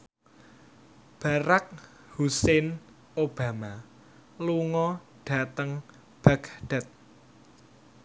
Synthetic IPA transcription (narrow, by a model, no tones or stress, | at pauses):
b̥a̤ɾak̚ | husɛn | ob̥a̤ma | luŋɔ | ɖ̥a̤t̪əŋ | b̥a̤kɖ̥a̤t̪̚